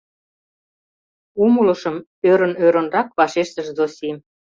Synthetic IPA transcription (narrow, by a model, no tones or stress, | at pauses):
umulə̆ʃə̆m | øɾə̆nøɾə̆nrɑkβɑʃeʃt̪ə̆ʃzosʲi